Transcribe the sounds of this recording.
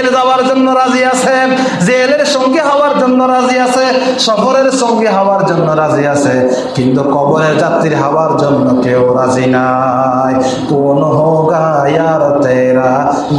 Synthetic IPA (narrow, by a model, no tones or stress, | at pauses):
lzabaɾd͡ʒonːɔɾaziasʰe | zeleɾsɔŋɡiɦawaɾd͡ʒonːɔɾaziasʰeʃɔbʱɔɾeɾsɔŋɡiɦawaɾd͡ʒonːɔɾaziasʰe | kint̪ukɔbɔɾeɾd͡ʒat̪ːiɾɦawaɾd͡ʒɔnːɔkeoɾazina | j | konoɦɔɡajaɾɔt̪eɾa